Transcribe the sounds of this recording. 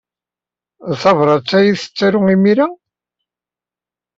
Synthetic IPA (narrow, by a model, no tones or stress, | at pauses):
θɑvɾˤɑt͡sːæjiθə̥t͡sːæɾʊimiɾæ